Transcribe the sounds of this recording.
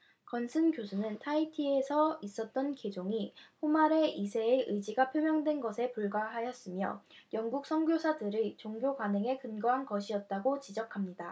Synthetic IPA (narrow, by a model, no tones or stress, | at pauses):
kʌnsʰɯnkjosʰunɯntʰaitʰiesʰʌis͈ʌt̚t͈ʌnke̞d͡ʑoŋiɸomaɾe̞ʔisʰe̞ːʔɯd͡ʑiɡapʰjomjʌŋdwe̞nɡʌsʰe̞puɭɡwaɦajʌs͈ɯmjʌ̰jʌŋɡuk̚s͈ʰʌŋɡjosʰadɯɾɯt͡ɕoŋɡjokwanɯŋe̞kɯnɡʌɦankʌɕʰiʌt̚t͈aɡot͡ɕid͡ʑʌkʰamɲida